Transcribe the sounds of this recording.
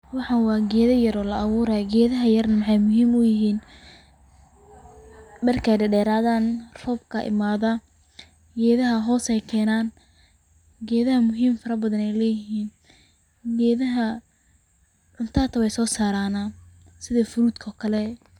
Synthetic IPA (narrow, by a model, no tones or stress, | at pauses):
wɑħɑnwɑːɡɛːðɐjɐɾɔːlɐɐβuːɾɛɡɛːðɐɦɐjɐrnɐmɑħɑjmʊɦiːmʊjɪɦiːn | ɖɐrkʰɐjɖɐɖɛːɾaːðaːnrɔːbkʰɐʔɪ̰maːðɐ | ɡɛːðɐɦɐɦɔːsɛjkʰɛːnaːn | ɡɛːðɐɦɐmʊɦiːmfɐɾɐbɐðɐnɛjlɛːjɪɦiːn | ɡɛːðɐɦɐ | ʕʊnt̪ʰaːt̪ʰɐwɛjsɔːsaːɾaːna | sɪðɐfʊɾuːd̪kʰɔːkʰɐlɛ